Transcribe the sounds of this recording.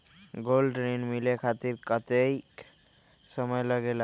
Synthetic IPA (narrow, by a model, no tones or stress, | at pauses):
ɡolɖɾenmilekʰat̪iɾkət̪ej | səməjləɡela